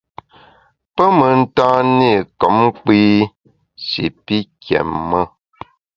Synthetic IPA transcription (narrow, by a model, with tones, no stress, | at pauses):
pə˦mə˨n̩˦tã˦ni˦˨kɔ˨˦m˦k͡pi˦ | si˨pi˦kjɛ̰˨mːə˦